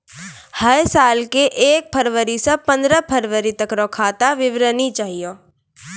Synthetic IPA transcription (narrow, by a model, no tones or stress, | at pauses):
hɐɾsaːlkeʔeːk̚pʰəɾʋəɾisẽpɐ̃nd̪ɾəpʰəɾʋəɾit̪əkɾokʰaːt̪aʋɪʋɾənit͡ʃaːɦioː